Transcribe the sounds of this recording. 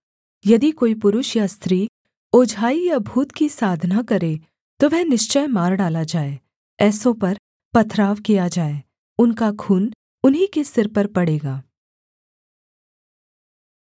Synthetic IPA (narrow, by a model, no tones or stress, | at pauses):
jɐd̪ikoːipʊɾʊʃjast̪ɾiː | oːd͡ʒʱaːijabʱuːt̪kisaːd̪ʱnakɐɾeː | t̪oʋɛɦnɪʃt͡ʃəjmaːɾɖaːlad͡ʒaːeː | ɛːsõpɐɾ | pɐt̪ʰɾaːʋkijad͡ʒaːeː | ʊnkakʰuːn | ʊnɦikesɪɾpɐɾpɐɽeːɡaː